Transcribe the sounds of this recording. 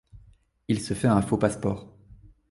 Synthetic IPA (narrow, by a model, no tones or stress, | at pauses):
ilsəfɛɛ̃fopaspɔːʁ